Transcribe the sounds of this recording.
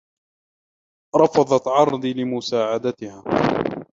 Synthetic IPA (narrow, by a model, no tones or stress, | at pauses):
ɾˤɑfɑðˤɑt̪ʕɑɾˤd̪ˤilɪmʊsaːʕad̪at̪ɪhaː